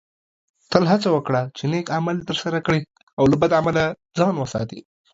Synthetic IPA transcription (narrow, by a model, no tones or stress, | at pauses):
t̪əlɦat͡sawəkɽat͡ʃenekamalt̪əɾsaɾakɽe | awlabad̪amala | d͡zɑnwəsɑ̰t̪ḭ